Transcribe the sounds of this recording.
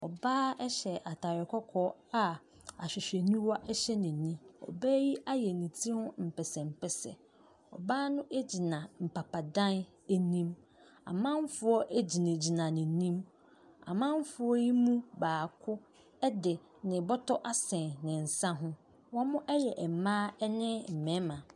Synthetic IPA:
ɔ̰˨baː˦ɛ˦ɕɛ˨ʔa˨tʰa˨ɾɪ˨kʰɔ˦kʰɔ˦a˨ | a˨ɕᶣɪ˨ɕᶣe˨nĩ˦wɔ˦ʔɛ˦ɕɛ˦nɪ̃˨nĩ˦ɔ̰˨bæː˦ji˦ʔa˦jɛ˨nĩ˨tʰi˦hʊ̃˦m̩˨pʰɛ˨sɛ˨m̩˨pʰɛ˨sɛ̰˨ | ɔ̰˨baː˦nʊ̃˦ʔe˦d͡ʑi˨nã˨m̩˨pʰa˨pʰa˨dã˦n | e˦nĩ˦m | ã̰˨mã˦ɱ̩˦fʊ˦ɔ˦ʔe˦d͡ʑi˨nɪ̃˨d͡ʑi˨nã˨nɪ̃˨˦nĩ˦m | a̰˨mã˦m̩˦fʊ˦ɔ˦ji˦mũ˦baː˨kʰʊ˦ | ɛ˦dɪ˨ | nɪ̃˨bɔ˦tʰɔ˦ʔa˦sɛ̃˨nnɪ̃˨n̩˨sã˦ɦʊ̃˦ | wɔ̃˦mʊ̃˦ʔɛ˦jɛ˨ʔɛ˨mãː˦ɛ˦nɪ̃˦m̩˨mɛ̃˦mã˨

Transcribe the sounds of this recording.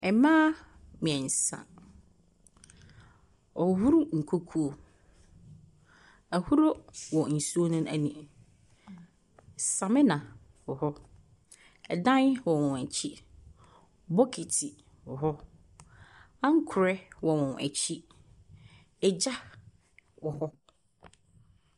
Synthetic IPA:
ɛ˨mãː˦ | mɪ̃˨ɛ˨n̩˨sa̰˨ | ɔ˨hu˦ɾu˦ŋ̩˨kʰo˦kʰu˦o˨ | æ˨hu˦ɾo˦wɔ˨n̩˨su˦o˦nũ˦ʔæ˨nĩ˨ | sã˨mɪ̃˦nã˨ | wɔ˨hɔ˦ | ɛ˨dã˦nwɔ˨wɔ̃˨æ˨t͡ɕʰi˦ | bɔ˦kʰi˨tʰi˨ | wɔ˨ɦɔ˦ | ã˦ŋ̩˦kʰʊ˨ɾɛ˦wɔ˨wɔ̃˨nʔæ̰˨t͡ɕʰi˦ | ɛ˨d͡ʑa˦ | wɔ˨hɔ˦

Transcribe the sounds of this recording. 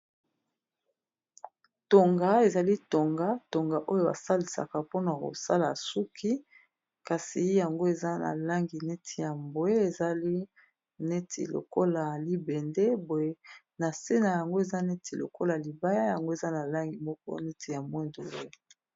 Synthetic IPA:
to˨ŋɡa˨e˨za˨li˦to˨ŋɡa˦to˨ŋɡa˨ʔo˦jo˦˨ba̰˨sa˦li˨sa̰˨ka˨po˦na˨ko̰˨sa˦la˨su˦kʰi˦ | ka˨si˨˦ja˨ŋɡo˦e˨za˦na̰˨la˦ŋɡi˨ne˦tʰi˨ja˨mbo˨e˦e˨za˨li˦ | ne˦tʰḭ˨lo̰˨ko˦la˨li˦be˨nde˦bo˨e˨˦ | na˨se˦na˨ja˨ŋɡo˦e˨za˦ne˦tʰi˨lo̰˨kʰo˦la˨li˨ba˦ja˦ja˨ŋɡo˦e˨za˦na˨la˦ŋɡi˨mɔ˦k̚ɔ̰˦ne˦tʰi˨ja˨mbwe˦ndo˨bo˦e˦˨

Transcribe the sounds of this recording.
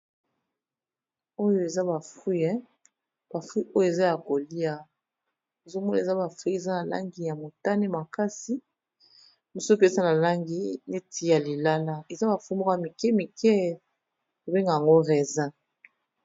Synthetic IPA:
o˦jo˦e˨za˦ba˨fu˦ɛ˦ | b̥a˨fu˦i˦ʔo˦jo˦e˨za˦ja˨ko˨li˦a˨ | e˨zo˦mɔ˦na˨za˦ba˨fu˦e˨za˦na˨la̰˦ŋɡi˨ja˨mo˨ta˦ne˦ma˨ka˦si˦ | bi˦so˦pe˦sa˦na˨la˦ŋɡi˦ne˦ti˦ja˨li˨la˦la˦e˨za˦ba˨fu˦mo˦ka˨mi˨kɛ˦mi˨kɛ˦ | ko˨be˦ŋɡa˨ja˨ŋɡo˦ʁɛ˨za˦

